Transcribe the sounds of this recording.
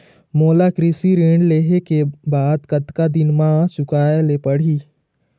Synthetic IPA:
moːlakɾɪsiɾeːɳɖleːɦekebaːd̪kɐt̪kad̪ɪnmãːsʊkaːelepəɽ̤iː

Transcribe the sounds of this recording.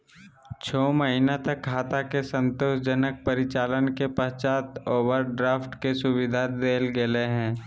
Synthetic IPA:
t͡ʃʰɔːməɦinat̪ɐkʰːaːt̪akesə̃nt̪oːʃd͡ʒənək̚pəɾɪt͡ʃaːlənkepəɦt͡ʃaːt̪oːʋəɾɖɾaːfʈkesʊʋɪd̪ʱad̪eːlɡeleɦɛ̃ː

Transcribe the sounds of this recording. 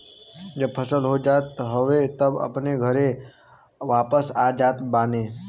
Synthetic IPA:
d͡ʒəb̚pʰəsəlɦod͡ʒat̪ɦəʋet̪əbə̰pneɡʱəɾe | ʋapəsad͡ʒat̪bane

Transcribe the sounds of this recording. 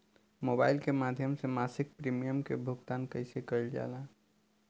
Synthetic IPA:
mobaɪlkemad̪ʱjəmsemasik̚pɾimijəmkebʱuɡt̪ankəɪsekəjld͡ʒa̰la

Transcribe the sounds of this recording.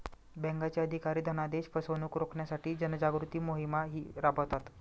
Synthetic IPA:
bɛ̃ŋɡat͡ɕjaəd̪ʱikaɾiːd̪ʱənad̪eɕpəsənuːkɾokʰɳjasaʈiːd͡ʑənəd͡ʑaɡɾut̪iːmoɦimaɦiːɾabət̪at̪

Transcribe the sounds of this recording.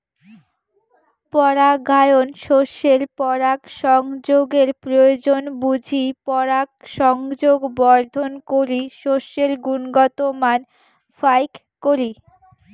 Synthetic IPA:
pɔɾaɡʱajonʃoʃeɾpɔɾakʃɔŋd͡ʑoɡeɾpɾojod͡ʑonbud͡ʑʱipɔɾak̚ʃɔŋd͡ʑoɡbɔɾd̪ʱonkoɾiʃoʃeɾɡunɡɔt̪oman | fajkːoɾi

